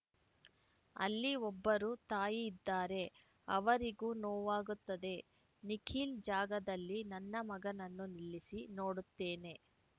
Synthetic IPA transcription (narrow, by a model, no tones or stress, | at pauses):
ɐ̰lːiɔbːɐɾuːt̪aːjiːd̪ːaːɾe̞ | ɐ̰ʋɐɾiɡuːnoːʋaːɡut̪ːɐd̪e̞ | nikʰiːld͡ʒaːɡɐd̪ɐlːinɐnːɐmɐɡɐnɐnːuniɭːisino̞ːɽut̪ːeːne̞